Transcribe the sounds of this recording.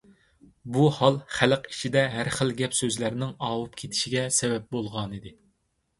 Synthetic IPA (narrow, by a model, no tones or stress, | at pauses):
buhɑlˠχæləqi̥t͡ʃʰid̪ɛɦæɾχəlɡʲɛpsøzlæɾnɪŋɑwup̚kʲʰet̪ʰɪ̥ʃiɡʲɛsɛvɛp̚bolˠʁɑnid̪ɪ